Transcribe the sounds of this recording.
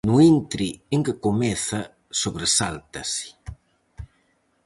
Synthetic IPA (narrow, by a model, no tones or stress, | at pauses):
nuint̪ɾieŋkekomɛθa | soβɾesalt̪asi̥